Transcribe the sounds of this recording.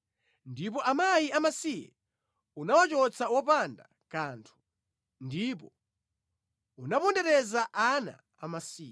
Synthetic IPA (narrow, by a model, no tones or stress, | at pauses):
ndipɔʔamajiamasijɛ̰ | unawat͡ʃɔt͡sawɔpanda | kaːntʰu̥ | ndipɔ | unapɔndɛɾɛzaʔana̰ːmasiːɛ